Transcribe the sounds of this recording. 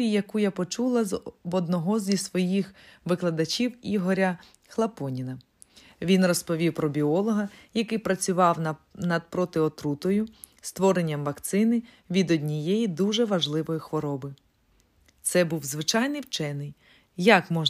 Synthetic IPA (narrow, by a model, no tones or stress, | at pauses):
ijɐkujapɔt͡ʃulˠɐzɔd̪nɔɦɔzʲisʋɔjixʋɪklˠɐd̪ɐt͡ʃʲiwiɦɔɾʲɐ | xlˠɐpɔnʲinɐ | ʋʲinrɔspɔʋʲiwpɾɔbʲiɔlˠɔɦɐjɐkɪjpɾɐt͡sʲʊʋɑwnɐd̪̚pɾɔt̪ɪɔt̪ɾut̪ɔjʊ | st̪ʋɔɾenʲːɐmʋɐkt̪sɪnɪ | ʋʲid̪ɔdʲnʲijejid̪uʒɛʋɐʒlˠɪʋɔjixʋɔɾɔbɪ | t̪sɛbuwzʋɪt͡ʃɑjnɪjwt͡ʃɛnɪj | jɐkmɔʒ